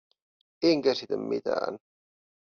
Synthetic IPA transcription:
eŋkæsit̪æmmḭt̪æ̰ːn

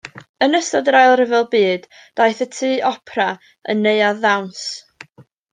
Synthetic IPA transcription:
ənəstɔdəɾajlˠrɪvɛlˠbiːd | d̥ajθətʰiːʔɔpʰra | ə̰nːeɨaðawns

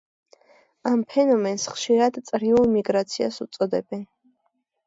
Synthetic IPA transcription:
ampʰɛnɔmɛnsχʃiɾad̪t̪sʼɾiulˠmiɡɾat̪sʰia̰sut̪sʼɔd̪ɛbɛn

